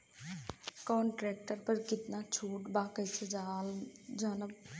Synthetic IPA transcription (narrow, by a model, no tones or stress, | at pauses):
kɔːnʈɾɛːk̚ʈəɾpəɾkɪt̪nat͡ʃʰuːʈbaːkəjt͡ʃʰed͡ʒaːld͡ʒanəb̚